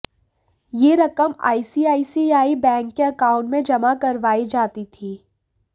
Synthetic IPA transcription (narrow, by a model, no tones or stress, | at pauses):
jeːɾɐkəma̰ːisiaːisiaːibɛ̃ːŋkːeɐkaːʊ̃ɳʈmẽd͡ʒɐmakɐɾʋaːid͡ʒaːt̪it̪ʰiː